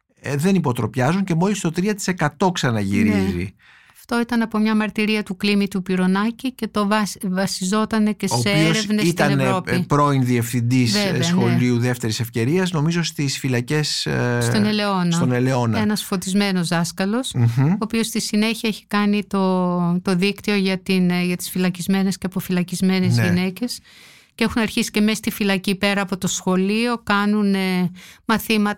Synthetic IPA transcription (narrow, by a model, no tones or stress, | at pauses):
ðe̞nipo̞t̪ɾo̞pçɐzuɲce̞mo̞list̪o̞t̪ɾiɐt̪i̥se̞kɐt̪o̞ksɐnɐʝḭɾizḭ | ɐft̪o̞it̪ɐnɐpo̞mɲɐmɐɾt̪iɾiɐt̪uklimit̪upiɾo̞nɐcice̞t̪o̞vɐvɐsizo̞t̪ɐne̞ce̞soːseieoɾevnesiɐenɾopipɾo̞inðie̞fθind̪isveveɐxo̞liuðe̞ft̪e̞ɾise̞fce̞ɾiɐzno̞mizo̞st̪isfilɐce̞sst̪oneleo̞nsɐt̪oneleo̞nɐenɐsfo̞t̪izme̞no̞zðɐskɐlo̞soːpio̞st̪isine̞çiɐeçi̥kɐnit̪o̞t̪o̞ðikt̪io̞ʝɐt̪inʝɐt̪i̥sfilɐcizme̞ne̞sceɐpo̞filɐcizme̞nezine̞ce̞s | ceexunɐɾçisi̥ce̞me̞st̪ifilɐcipe̞ɾɐːpo̞t̪o̞sxo̞lio̞kɐnunemɐθimɐt̪